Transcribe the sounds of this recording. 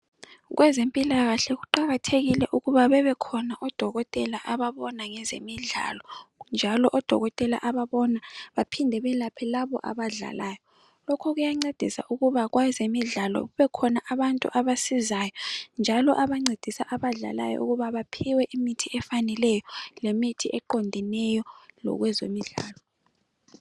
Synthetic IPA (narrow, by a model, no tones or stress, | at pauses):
ɣwʔɛzempʼilaɣaɬɛɣuǃaɣatʰeɣilɛʔuɣuβaβɛβɛkʰɔnaʔɔd̥ʱɔɣɔtʼɛlaʔaβaβɔnaŋɛzḛmiɮa̰lɔnd͡ʒʱalɔʔɔd̥ʱɔ̰ɣɔtʼɛla̰ʔaβaβɔnaβapʰindʱɛβɛlapʰɛlaβɔ̰ʔa̰βaɮa̰laːjɔ | lɔkʰɔɣujaŋ͡ǀed̥ʱisa̰ʔuɣuβaɣwazemiɮalɔ̰ɣuβɛkʰɔnaʔaβantʼṵʔaβasizajɔnd͡ʒʱalɔʔaβaŋ͡ǀed̥ʱisaʔaβaɮa̰la̰jɔ̰ʔṵɣuβaβapʰiwɛʔimitʰiɛfanɛlɛjɔlemitʰiʔɛǃondʱinɛjɔlɔ̰ɣwɛzo̰miɮa̰ːlɔ